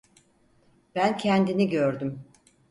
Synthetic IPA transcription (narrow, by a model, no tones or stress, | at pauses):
b̥æncʰɛnd̪iniɟøɾd̪ym